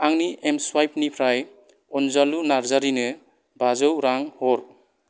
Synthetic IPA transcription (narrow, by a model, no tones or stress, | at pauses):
aŋniʔemswajp̚nipʰɾaj | ɔnzalunaɾzaɾinɯ | bazɔwɾaŋhɔɾ